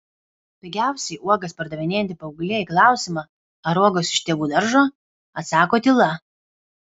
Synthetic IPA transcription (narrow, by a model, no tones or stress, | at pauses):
pʲɪɡʲæˑʊsʲɛɪʔuɔɡɐspɐɾd̪ɐʋʲɪnʲeːjɛnʲt̪ʲɪpɐʊɡlʲeːiːklˠɑˑʊsʲɪmɑ | ɐɾuɔɡoːsʲɪ̥ʃʲt̪ʲiɛɡuːd̪ɐɾʒoː | ɐt̪sɑːkoːt̪ʲɪlˠɐ